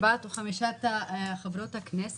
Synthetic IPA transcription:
bat̪uχamiʃat̪aχavɾot̪haknɛs

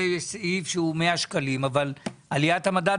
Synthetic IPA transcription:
esifʃeumeaʃkalimavalalijat̪hamad̪a

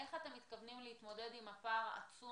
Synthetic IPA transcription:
e̞χat̪e̞mːit̪kavnimleitmo̞de̞dimapaʁaʔa̰t͡su

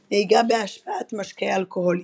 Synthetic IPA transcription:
neiɡabeaʃpaat̪maʃkealkoholi

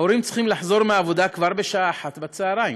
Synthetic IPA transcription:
oɾimt͡sχimlaħzo̞ʁmeavo̞d̪akvaʁbeʃaaːħat̪bat͡seaʁaim

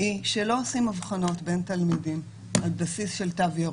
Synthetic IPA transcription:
ʔiʃelo̞osimavχano̞tbe̞ntalmidim | albasisʃelt̪avjo

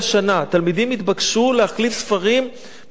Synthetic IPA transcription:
ʃanat̪almid̪imit̪bakʃuleaχlifsfaʁim

